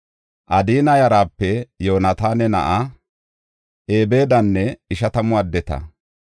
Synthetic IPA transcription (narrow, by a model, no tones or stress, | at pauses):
ʔɐd̪iːnɐjɐɾaːpːɛjoːnɐt̪aːnɛnɐ̰ʔa | ʔe̞ːbe̞ːd̪ɐnːɛɪʃɐt̪ɐmʊɐd̪ːɛt̪ɐ̰